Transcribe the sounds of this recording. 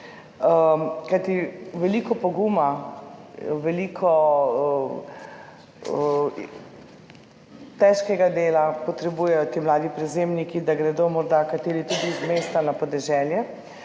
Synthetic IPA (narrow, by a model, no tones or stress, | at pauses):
kajt̪iʋɛliːkɔpɔɡuːma | ʋɛliːkʰɔ | t̪ɛʃkɛɡad̪eːlapɔt̪ɾɛbuːjɛjɔt̪imlaːd̪ipɾɛzemnikid̪aɡɾɛd̪omɔɾd̪akat̪eːɾit̪ud̪izmeːst̪anapɔd̪ɛʒɛːljɛ